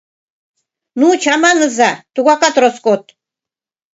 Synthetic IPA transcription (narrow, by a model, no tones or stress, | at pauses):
nut͡ɕʰɑmɑnəzɑt̪uɣɑkat̪ɾoskot̪̚